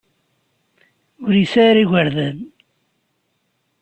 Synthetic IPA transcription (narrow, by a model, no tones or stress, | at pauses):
ʊɾjəsæɾiɣəɾðæn